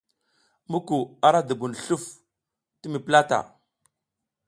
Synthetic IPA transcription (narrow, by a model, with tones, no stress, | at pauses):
mu˦ku˨a˦ɾa˦də˨bu˨n˨ɬu˦f | tə˦mi˨pla˦ta̰˨